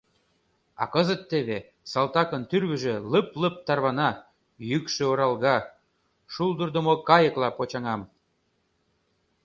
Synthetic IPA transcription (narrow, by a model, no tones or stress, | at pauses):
ɑ̰kə̆zət̪ːeβe | sɑlt̪ɑkənt̪yrβə̆ʒĕləpləp̚t̪ɑrβɑnɑ | jykʃø̆oɾɑlɣɑ | ʃulˠd̪ərd̪omokɑjə̆klɑpot͡ɕɑŋɑm